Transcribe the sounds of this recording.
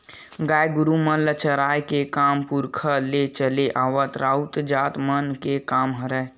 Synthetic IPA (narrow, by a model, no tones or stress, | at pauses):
ɡaːjɡʊɾumələt͡ʃəɾaːjkekaːmpuɾkʰəlet͡ʃəleʔaːʋət̪ɾaut̪d͡ʒaːt̪mənkekaːmɦəɾə